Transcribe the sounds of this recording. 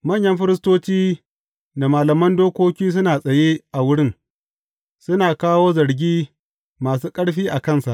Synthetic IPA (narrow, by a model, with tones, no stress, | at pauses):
mɐ˦˨ɲjɐ˦ɸɪ˦ɾɪ˦stoː˦t͡ʃiː˦ | da˨maː˨lɐ˨mɐ˦ndoː˦kʷoː˦kʲiː˦s̬ʊ˦naː˨sʼɐ˨jeː˦ʔa˨wʊ˦ɽɪ˦˨ŋ | sʊ˦naː˨kaː˦woː˦zɐ˨ɽɡʲiː˦ | maː˨s̬uː˦kʼɐ˦ɽɸiː˦ʔa˨kɐ˦˨nsa˨ʔ